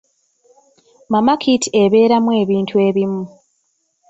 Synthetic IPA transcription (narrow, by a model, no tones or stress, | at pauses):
mamakʰitʰieβe̞ːɾamwe̞ːβiːntʰue̞ːβimu